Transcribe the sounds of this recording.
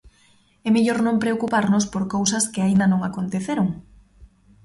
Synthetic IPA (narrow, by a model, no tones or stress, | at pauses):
ɛmeʎoɾnõmpɾeokupaɾnospoɾkowsɐskɪaind̪ɐnõŋakont̪eθeɾoŋ